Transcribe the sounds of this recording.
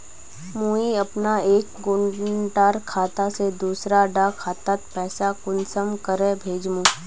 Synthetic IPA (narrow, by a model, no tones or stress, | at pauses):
mũːiɐpnaeːkɡʊɳʈaːɾkʰaːt̪ased̪uːsɾaɖakʰaːt̪at̪pɛːsakʊnsəmkəɾẽbʱeːd͡ʒmũː